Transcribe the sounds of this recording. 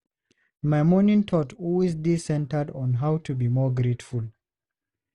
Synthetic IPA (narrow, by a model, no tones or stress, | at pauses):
maɪmɔnĩŋtʰɔtʰɔlwezdisɛ̃ntədɔ̃nɦawtʰubimɔɡɹetful